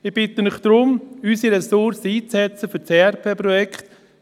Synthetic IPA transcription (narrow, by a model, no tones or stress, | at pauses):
ɪb̥ɪt̪ənɪχd̪̥ɾʊmysiɾɛsʊɾsiːt͡sɛt͡səfʏɾt͡seɛɾpʰeːpɾɔjɛkχt̪